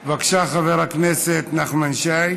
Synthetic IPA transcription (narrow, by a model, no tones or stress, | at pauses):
vakʃaχavɛɾaknɛsɛt̪naχmanʃaj